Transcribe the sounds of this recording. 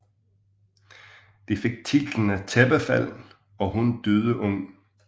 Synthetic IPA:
d̥ife̝ɡ̥̚t͡sʰid̥n̩æt͡sʰeb̥əfæl̰n̩ | ɒ̽ɦund̥øð̞ˠəʔɔŋ̰

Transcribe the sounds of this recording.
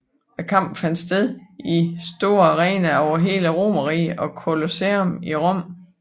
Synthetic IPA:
ækʰɑ̈m̰b̥fæn̰d̥sd̥eðˠisd̥o̝ɐʁɛːnæɒʊɐɦe̝ːləʁo̝̰mɐʁḭːɒ̽kʰo̝lo̝seomiʁɔ̽m̰

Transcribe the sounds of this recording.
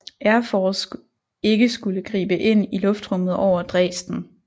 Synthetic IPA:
æɐfɒs | e̝ɡ̥əsɡ̥uləɡ̥ʁḭːb̥əʔe̝n̰ilɔ̽fd̥ʁɔ̽m̰ð̩ˠɒʊ̰ɐd̥ʁɛ̰ːsd̥n̩

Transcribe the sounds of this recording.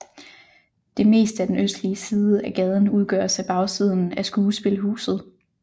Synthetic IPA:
d̥e̝me̝̰ːsd̥æd̥enøsd̥liəsiːðˠəæɡ̥ɛð̞ˠn̩uð̞ˠɡ̥ɶ̰ɐ̰sæb̥ɑ̈ʊsið̞ˠn̩æsɡ̥uːsb̥e̝ləɦṵːsð̞̩ˠ

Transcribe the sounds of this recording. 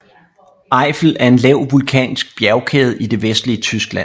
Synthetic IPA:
ʔɑ̈ɪfl̩æɐe̝nlɛʊ̰ʋulkʰɛ̰ːnsɡ̥̚b̥jæɐʊkʰeːð̞̩ˠid̥e̝ʋesd̥liət͡sʰysɡ̥læn̰

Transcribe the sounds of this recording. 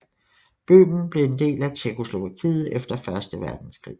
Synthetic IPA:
b̥ø̰ːmn̩b̥le̝end̥e̝̰ːlæt͡ɕʰekʰo̝slo̝ʋækʰḭːð̩ˠefd̥ɐfɶɐsd̥əʋæɐd̥n̩skʁḭː

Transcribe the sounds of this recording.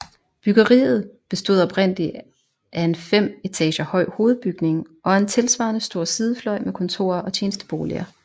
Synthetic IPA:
b̥yɡ̥ɐʁḭːð̞̩ˠb̥e̝sd̥o̝ð̰ˠɒ̽b̥ʁen̰li | ʔæe̝nfem̰e̝t͡sʰɛ̰ːɕɐhɒ̽ɪ̰ho̝ːð̞̩ˠb̥yɡ̥ne̝ŋʔɒ̽e̝nt͡sʰe̝lsʋɑ̰̈nəsd̥o̝ɐ̰siːð̞ˠəflɒ̽ɪ̰mekʰɒ̽nt͡sʰo̝̰ːɐʔɒ̽t͡ɕʰeːnəsd̥ə̥b̥o̝ːlḭɐ

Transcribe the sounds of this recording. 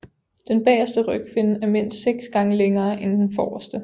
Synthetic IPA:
d̥enb̥ɛ̰ːɐsd̥əʁœɡ̥̚kʰʋe̝nəæɐme̝n̰sd̥seɡ̥sɡ̥ɑ̈ŋəleŋɐːʔend̥enfɒːɐsd̥ə

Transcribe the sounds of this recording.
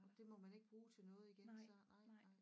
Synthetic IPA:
ɒd̥e̝mɒ̽mæne̝ɡ̥əb̥ʁuːt͡sʰe̝lnɔ̽ːð̞̩ˠiɡ̥ensɒnɑ̈ɪ̰ɪ

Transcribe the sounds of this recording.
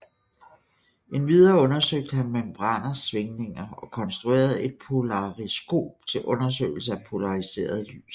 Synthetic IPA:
e̝nʋið̞ˠɐɔ̽nɐsøɡ̥̚d̥əhænmemb̥ʁɑn̰ɐsʋe̝ŋne̝ŋɐɒ̽kʰɒ̽nsd̥ʁue̝̰ːɐð̞̩ˠe̝d̥̚pʰo̝lɑ̈ʁisɡ̥o̝̰ːb̥̚t͡sʰe̝lʔɔ̽nɐs̬ø̰ɪl̩səæpʰo̝lɑ̈ʁise̝̰ːɐð̞ˠly̰ːs

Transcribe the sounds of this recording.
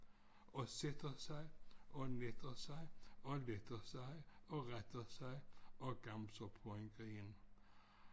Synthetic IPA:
ɔsɛt̪əsæɪʔɔnɛt̪əsæɪɔlɛt̪əsæɪɔʁɛt̪əsæɪʔɔɡ̥amsəpʰɔɛŋɡ̥in

